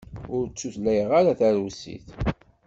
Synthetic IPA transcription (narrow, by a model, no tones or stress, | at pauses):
ʊɾt͡sːuθlæjəʁaɾaθæɾusḭθ